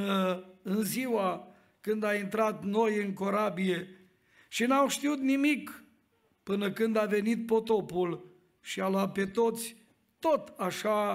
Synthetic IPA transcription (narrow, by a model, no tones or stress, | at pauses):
əɨnziwa | kɨnd̪aint̪ɾat̪no̞jɨŋko̞ɾabije̞ | ʃinawʃt̪iut̪nimik | pɨnəkɨnd̪ave̞nit̪̚po̞t̪o̞pul | ʃialoat̪̚pe̞t̪o̞t̪sʲ | t̪o̞t̪aʃa